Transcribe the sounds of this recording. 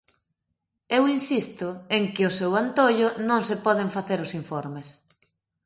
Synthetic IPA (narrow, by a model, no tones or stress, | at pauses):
ewinsist̪ʊeŋkɪʊsewant̪oʎʊnõŋsɪpɔðeɱfaθeɾʊsiɱfɔɾmes